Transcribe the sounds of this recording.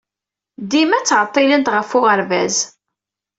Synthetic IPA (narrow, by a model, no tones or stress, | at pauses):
d̪imæt͡sːʁət̪ˤːɪlənt̪ʁəfʊʁəɾvæz